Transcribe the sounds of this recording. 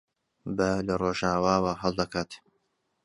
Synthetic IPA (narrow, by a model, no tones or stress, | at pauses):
bɐlɐroːʒaːwaːwaːɦɐlˠd̪ɐkʰaːt̪